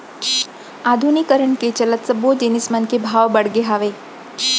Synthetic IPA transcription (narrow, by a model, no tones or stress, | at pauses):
ad̪ʱunikəɾəɳket͡ɕələt̪səbod͡ʒenismənkebʱaʋbəɽɡeɦaʋe